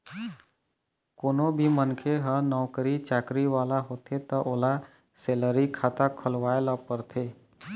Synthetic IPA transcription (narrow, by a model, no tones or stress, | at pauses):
koːnobʱimənkʰeɦənɔwkəɾit͡ʃaːkɾiʋaːlaɦoːt̪ʰet̪ɔʔoːla | seːləɾikʰaːt̪akʰəlʋaːelɔpəɾt̪ʰeː